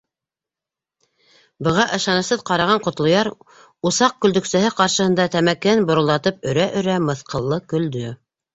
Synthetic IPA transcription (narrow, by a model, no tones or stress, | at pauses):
bɤ̆ʁɑʔɤ̆ʃɑnɤ̆sɤðqɑɾɑʁɑɴqŏt̪lˠŏjɑɾ | usɑq̚kɵ̆ld̪ɵ̆ksæɦɘqɑɾʃɤ̆hɤ̆nd̪ɑt̪æmækænbŏɾŏlˠɑt̪ɤp̚ɵ̆ɾæʔɵ̆ɾæmɤ̆θqʰɤ̆lˠːɤkɵ̆ld̪ɵ